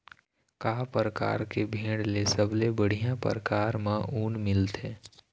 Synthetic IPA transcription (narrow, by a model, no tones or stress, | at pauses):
kaːpəɾəka̰ːɾkebʱẽːɽlesəblebəɽ̤ijãpə̰ɾəkaːɾmãʔuːnmɪlt̪eː